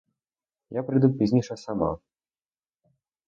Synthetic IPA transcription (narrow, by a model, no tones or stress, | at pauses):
japɾɨd̪upʲizʲnʲiʂɐsama̰